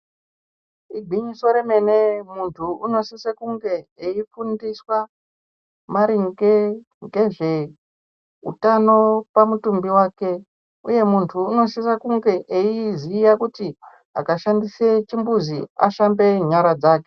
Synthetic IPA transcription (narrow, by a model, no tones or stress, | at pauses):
iɡʱiɲiso̞ɾeme̞nemuntʰuuno̞sisakuŋɡe̞eifundiswa | maɾiŋɡe | ŋɡe̞ʐe̞ | ṵtano̞pamutumbiwaːke̞ | uje̞muntʰuːno̞sisakuŋɡe̞ʔeizijakuti | a̰kaʃandiset͡ʃimbuzia̰ʃambe̞ɲaɾad͡zaːke